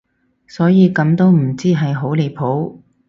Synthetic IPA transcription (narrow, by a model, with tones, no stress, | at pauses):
sɔː˨˥jiː˨˧kɐ˨˧˥mt̪o˥wm̩˨˩t͡siː˥ɦɐ˨jɦo˨˥wle˨˧jpʰo˨˥w